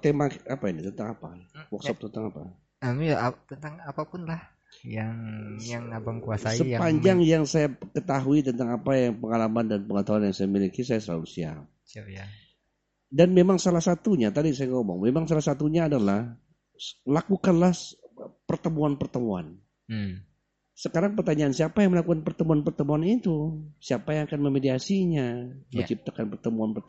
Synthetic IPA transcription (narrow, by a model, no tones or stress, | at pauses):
t̪emakapainit̪ənt̪aŋapawɔksɔp̚t̪ənt̪aŋapa̰ | amat̪ənt̪aŋapapʊnlah | jaŋjaŋabaŋkuasaisəpaɲd͡ʒaŋjaŋsajakət̪aɦuit̪̬ənt̪aŋapajaŋpəŋalamandanpəŋət̪aɦuanjaŋsajamilikisajasəla̰lusia̰ | danmemaŋsalahsat̪uɲat̪adisajaŋomɔ̰ŋmemaŋsalahsat̪uɲaːdalah | lakukanlahpərt̪əmuanpərt̪əmua̰n | səkaɾaŋpərt̪aɲaʔːnsiapajaŋməlakukanpərt̪əmuanpərt̪əmuanit̪usiapajaŋakanməmediasiɲamət͡ʃip̚t̪akanpərt̪əmuanpə